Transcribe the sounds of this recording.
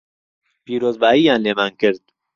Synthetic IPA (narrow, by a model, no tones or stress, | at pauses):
piːɾoːzbaːiːjaːnlemaːŋkeɾd̪̚